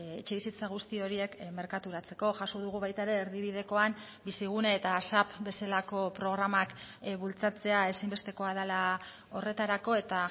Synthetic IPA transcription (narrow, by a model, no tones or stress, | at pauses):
et͡ʃeβisit͡saɣ̞ust̪io̞ɾie̞kme̞ɾkat̪uɾat͡se̞ko̞ʝaso̞ðuɣuβajt̪aeɾe̞ːɾðiβ̞ið̞e̞ko̞am | bisiɣ̞uneːt̪asapbe̞selako̞pɾo̞ɣ̞ɾamakβult͡sat͡se̞ae̞sajmbe̞st̪e̞ko̞að̞ala | o̞re̞t̪aɾako̞e̞t̪a